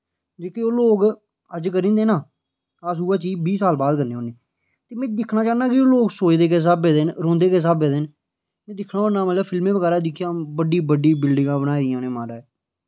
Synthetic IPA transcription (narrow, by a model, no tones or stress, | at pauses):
d͡ʒeːkeːoːloːk | əd͡ʒkəɾĩːnd̪eːnãː | əsuːaːt͡ʃiːbiːsaːlbaːd̪kəɾneːoːniː | t̪eːmɛ̃ːd̪ɪkʰnaːt͡ʃaːnaːkɪoːloːksoːt͡ʃd̪eːkeːs̬abeːd̪eːnɾõːnd̪eːkeːs̬abeːd̪eːn | mɛ̃ːd̪ɪkʰnaːoːnːãːmət̪ləbpʰɪlmẽːpəkəɾaːd̪ɪkʰːjãːbəɖiːbəɖiːbɪlɖɪ̃ŋɡãːbənaːɪjãnẽːmaːɾaːɛː